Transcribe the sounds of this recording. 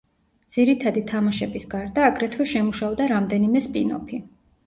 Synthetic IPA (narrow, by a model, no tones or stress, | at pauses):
d̪z̥iɾit̪ʰad̪it̪ʰamaʃɛbisɡaɾd̪aːɡɾɛt̪ʰvɛʃɛmuʃavd̪aɾamd̪ɛnimɛspʼḭnɔ̰pʰi